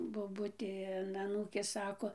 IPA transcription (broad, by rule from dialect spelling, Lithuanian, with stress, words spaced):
boːˈbʊtʲeː ɐn ɐˈnuːkʲeːs ˈsɑːkoː